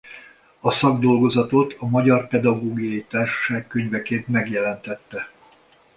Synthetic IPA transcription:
ɒsɒɡd̪o̞lɡo̞zɒt̪o̞t̪ʰɒmɒɟɒrpɛd̪ɒɡoːɡijɒjit̪aːrʃɒ̥ʃaːkːøɲvɛkeːnt̪mɛɡjɛlɛnt̪ɛt̪ːɛ

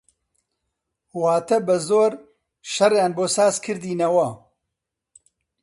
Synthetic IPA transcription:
huːhaːt̪ɛbɨzoːɾ | ʃɐrjaːnboːsaːzkʰɨɾd̪iːnɐwɐ

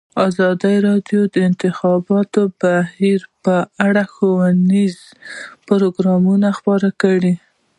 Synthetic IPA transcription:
ɑzɑd̪aɾɑɖjod̪əɪnt̪ɪxɑbɑt̪obahiɾpəaɽaxowaniz | pʊɾoɡɾɑmunaxpɑɾakəɽi

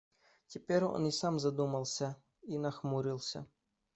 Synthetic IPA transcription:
tʲɪpʲeɾʲo̰nisamzɐd̪umɐlˠsʲɐ | inɐxmuɾʲilˠsʲɐ̰

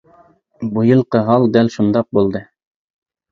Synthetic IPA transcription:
bŭjɤ̆lˠqɤ̆ɦɑlˠd̪ælʃund̪ɑq̚bulˠd̪ɤ

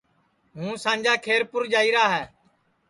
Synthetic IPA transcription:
ɦũːsãːnd͡ʒaːkʰeːɾpʊɾd͡ʒaːiːɾaːɦɛː

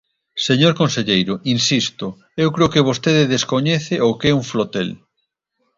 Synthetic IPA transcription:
seɲoɾkonseʎejɾʊʔinsist̪ʊ | ewkɾeʊokeβ̞ost̪eðɪðeskoɲɛθeʔokɛuɱflot̪el

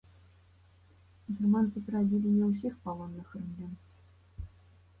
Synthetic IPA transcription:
ɡʲirmant̪sɨpʲɾadʲilʲinʲɛws̬ʲixpalˠɔnːɨxrɨmlʲɛm

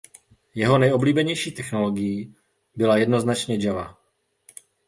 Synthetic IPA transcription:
jɛɦo̞nɛjo̞bliːbɛɲɛjʃiːt̪ɛxno̞lo̞ɡɪji | bɪlajɛdno̞znat͡ʃɲɛd͡ʒava

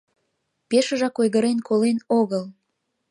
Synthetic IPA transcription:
peʃəʒɑkojɣəɾenkʰolenoɣəl

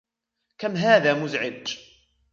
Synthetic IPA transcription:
kamɦaːðaːmʊzʕɪd̪

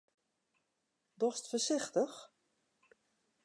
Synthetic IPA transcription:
dɔstfəɹsɪxtəx

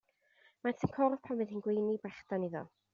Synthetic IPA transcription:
matʰənkʰɔrð̥pʰamɨðinɡwejnibrɛχd̥aniðɔ̰

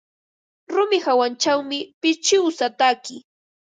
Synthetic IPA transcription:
ɾʊmɪhawant͡ʃawmɪpɪt͡ʃɪwsat̪akɪ

